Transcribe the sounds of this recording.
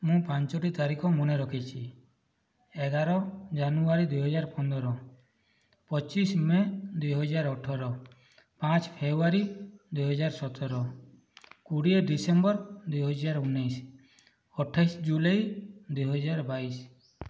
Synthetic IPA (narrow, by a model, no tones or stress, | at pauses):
mũpãɲt͡ʃɔʈit̪aɾikɔmɔneɾɔkʰit͡ʃʰi | ɛɡaɾɔd͡ʒanuaɾid̪ujɦɔd͡ʒaɾpɔnd̪ɔɾɔ | pɔt͡ʃismed̪ujɦɔd͡ʒaɾɔʈʰɔɾɔ | pãt͡ʃpʰebuaɾid̪ujɦɔd͡ʒaɾsɔt̪ɔɾɔ | kuɽieɖisembɔɾd̪ujɦɔd͡ʒaɾunːajs | ɔʈʰːajsd͡ʒulajd̪ujɦɔd͡ʒaɾbais